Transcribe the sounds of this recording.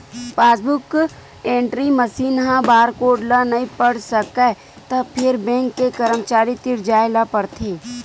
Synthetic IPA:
paːsbʊk | ẽːɳʈɾiməsiːnɦãbaːɾkoːɖlanɐĩpəɽsəkɛ | t̪ɐbpʰɪɾbɛ̃ːŋkːekəɾəmt͡ʃaːɾit̪ɪɾd͡ʒaːelapəɾt̪ʰeː

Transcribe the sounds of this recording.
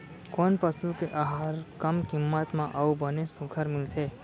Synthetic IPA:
konpəsukeʔaɦaɾkəmkɪmːət̪mãʔaubənesũkʰəɾmɪlt̪ʰe

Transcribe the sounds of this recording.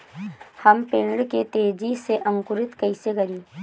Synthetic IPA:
həmpeːɳɽket̪eːd͡ʒiseʔɐ̃ŋkʊɾɪt̪kɐɪseɡɐɾiː

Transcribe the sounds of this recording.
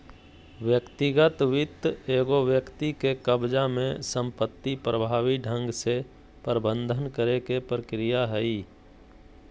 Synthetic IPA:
ʋjəkt̪ɪɡət̪ʋɪt̪eːɡoʋjəkt̪ikekəbd͡ʒamẽsə̃mpət̪ːipɾəbʱaːʋiɖʱə̃ŋɡse | pəɾbə̃nd̪ʱənkəɾekepɾəkɾɪjaɦɛiː

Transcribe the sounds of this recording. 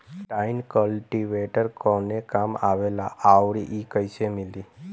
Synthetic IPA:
ʈaɪnkəlʈiʋeʈəɾkɔnekamaʋelaʔawɾiʔikəjsemɪli

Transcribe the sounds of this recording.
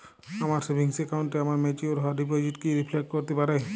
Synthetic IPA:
amaɾsebʱiŋsekawɳʈeamaɾmɛt͡ʃioɾɔɦaɖipoziʈkiɾipʰlek̚ʈ̚kɔɾt̪epaɾe

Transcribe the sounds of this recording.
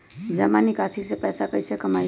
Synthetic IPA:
d͡ʒəmanikasisepɛjsakəɪsekəmaj

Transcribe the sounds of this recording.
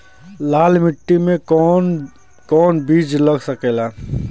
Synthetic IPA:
laːlmɪʈːimẽɔn | kɔːnbiːd͡ʒləɡsəkeːlaː

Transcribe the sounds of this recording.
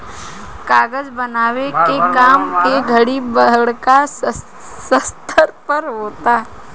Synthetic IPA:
kaːɡəd͡ʒbənaːʋekekaːmkeɡʱəɽibəɦɽka | səst̪ʰəɾpəɾɦoːt̪aː

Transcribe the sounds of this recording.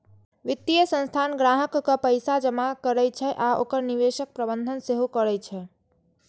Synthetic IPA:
ʋit̪ːijəsə̃nst̪ʰanɡɾaɦəkːəpəjsad͡ʒəmakəɾɛjt͡ʃʰɛʔao̰kəɾniʋeʃək̚pɾəbənd̪ʱənseɦokəɾɛt͡ʃʰɛ

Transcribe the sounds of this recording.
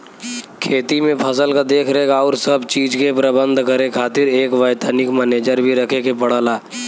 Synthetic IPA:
kʰeːt̪imẽpʰɐsəlkad̪eːkʰɾəɦeːɡaɔːɾsɐbt͡ʃiːd͡ʒkepɾəbə̃nd̪ʱkəɾekʰaːt̪ɪɾeːkʋəɪt̪anɪkməneːd͡ʒəɾbʱiɾɐkʰekepəɽ̤aːlaː

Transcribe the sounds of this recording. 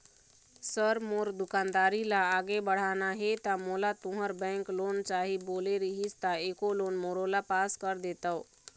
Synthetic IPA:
səɾmoɾd̪ʊkaːnd̪aːɾilaːɡebəɽ̤anaɦet̪amolat̪ʊ̃ɦəɾbɛ̃ŋklont͡ʃaɦiboːleɾiɦist̪aeːkoloːnmoɾolapaːskəɾd̪et̪əw

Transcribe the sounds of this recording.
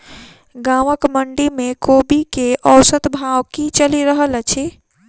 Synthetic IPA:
ɡaʋəkməɳɖimekobikeʔəwsət̪bʱawkit͡ʃəliɾəɦələt͡ʃʰi

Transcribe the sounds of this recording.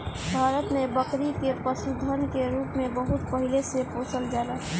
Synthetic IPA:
bʱaːɾət̪nebəkɾikepəsud̪ʱənkeɾuːpmẽbəɦʊt̪pəɦilesepoːsəld͡ʒaːɾaɦ

